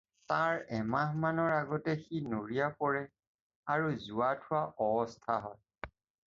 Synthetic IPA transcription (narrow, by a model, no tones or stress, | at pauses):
taɹɛmaɦmanɔɹaɡɔtɛxinoɹijapɔɹɛ | aɹuzuatʰʊwaʔɔbɔstʰaɦɔj